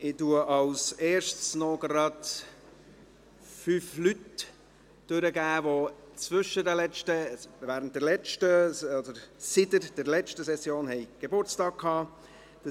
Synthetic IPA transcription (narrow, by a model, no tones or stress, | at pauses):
ɪtuəʔɑwseːɾʃtsnɔɡɾɑd | fyːflyt | d̥øɾəɡæːvo | t͡svʏʃədəlɛt͡ʃtəvæːɾənt̚dɛlɛt͡ʃtəɔdəɾsɪdəɾd̥ɛɾlɛt͡ʃtəsɛsjoːnhɛɪɡ̥ebʊrt͡stɑːk̚kʰɑː | d̥